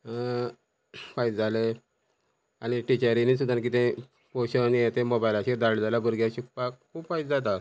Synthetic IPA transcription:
fajd͡zd͡zale | aniʈit͡ɕaɾinis̬ud̪ank̬it̪ẽ | poɕənjet̪emobajlat͡ɕid̪aɭd͡zalabəɾɡjaɕuk̚pakkʰuːbfaid͡zd͡zat̪̬a

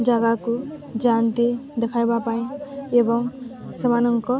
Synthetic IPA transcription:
d͡zaɡakod͡zant̪id̪ekʰajbapaĩebʌŋsʌmanʌŋkʌ

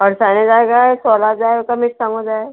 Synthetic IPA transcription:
ɔɾsaned͡ʒaːeɡasɔːlad͡ʒaːekamɪksãŋod͡ʒaːe

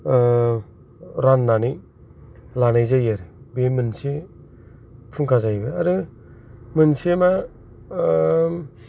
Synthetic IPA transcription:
ɾanːani | lanajzajaɾɯbemɯnse | pʰuŋkʰazajbɯaɾɯ | mɯnsema

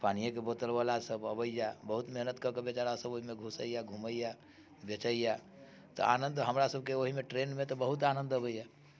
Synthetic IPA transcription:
paːnijẽkebot̪əlbalasəbəbəijabəɦut̪meɦnət̪kəɾkebet͡ʃaɾasəboɦimeɡʱusə̰ijaɡʱuməija | bet͡ʃəija | t̪o̰aːnə̃nd̪ɦəmɾasəb̚keoɦimẽʈɾenmẽt̪ɔbəɦut̪anə̃nd̪əbəija

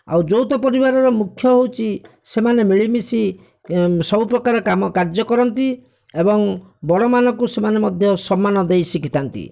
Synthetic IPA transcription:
a̰wd͡ʒowt̪ɔpɔɾibaɾɔɾɔmukʰjɔɦowt͡ʃʰi | semanemiɭimisi | sɔbupɾɔkaɾɔkamɔkaɾd͡ʒɔkɔɾɔnt̪i | ebɔŋ | bɔɽɔmanɔkusemanemɔd̪ʱjɔsɔmːanɔd̪ejsikit̪ʰant̪ḭ

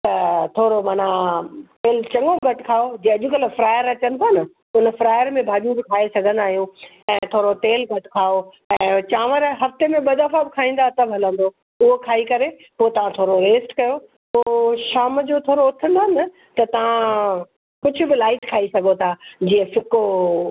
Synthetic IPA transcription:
t̪ɐt̪ʰoːɾomaːnat̪eːlt͡ɕɐ̃ŋɡoɡɐʈkʰaːod͡ʑĩːɐʄʊkɐləfɾaːjəɾɐt͡ɕənɪ̆t̪ʰaːnɐ | ʊnfɾaːjəɾmẽbʱaːʄũbɪkʰaːesɐɡʱə̃nd̪aːɦijũ | ɛ̃ːt̪ʰoːɾot̪eːlɡɐʈkʰaːo | ɛ̃ːt͡ɕaːʋəɾɦɐft̪emẽɓɐd̪ɐfabɪkʰaːĩːn̆d̪at̪ɐbɦɐlə̃nd̪o | ʊɦokʰaːikɐɾe | poːt̪ɐʋ̤ãt̪ʰoːɾoɾeːsʈkɐjo | poːʃaːmd͡ʑot̪ʰoːɾoʊt̪ʰə̃nd̪aːɦnɪ | t̪ɐt̪ɐʋ̤ã | kʊd͡ʑʱʊ̆bɪlaːɪʈkʰaːisɐɡʱot̪ʰaːd͡ʑiːə̃fɪko

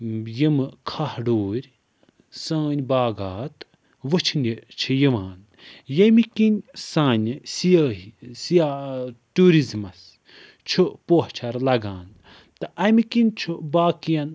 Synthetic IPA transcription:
jimɨkʰahɖoːɾʲ | sãːnʲbaːɡaːt̪ | ʋɨt͡ʃʰinit͡ʃʰijiʋaːn | jɐmikinʲsãːnʲisijaːɦisijaʈuːɾizmɐs | t͡ʃʰupoɦt͡ʃʰɐɾlɐɡaːn | t̪ɨʔɐmikinʲt͡ʃʰubaːkijɐn

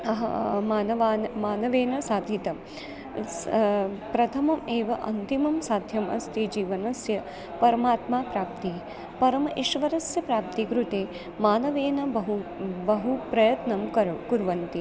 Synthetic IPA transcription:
ɐɦɐ̰maːnɐʋaːnmaːnɐʋeːnɐsaːd̪ʱit̪ɐ | pɾɐt̪ʰɐmɐmeːʋɐʔɐ̰nt̪imɐmsaːd̪ʱjɐmʔɐ̰st̪id͡ʒiːʋɐnɐsjɐ | pɐɾɐmaːt̪maːpɾaːp̚t̪i | pɐɾɐmɐʔiʃʋɐɾɐsjɐpɾaːp̚t̪ikɾut̪eː | maːnɐʋeːnɐbɐɦubɐɦupɾɐjɐt̪nɐmkɐkuɾʋɐnt̪i

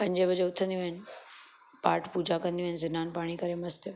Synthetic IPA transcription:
pɐ̃ɲd͡ʑebəd͡ʑeʊt̪ʰə̃nd̪ijũɦɪnɪ̆ | paːɾʈʰpuːd͡ʑakə̃nd̪jũɦɪnɪzɪnaːnpaːɽ̃ikɐɾemɐst̪e

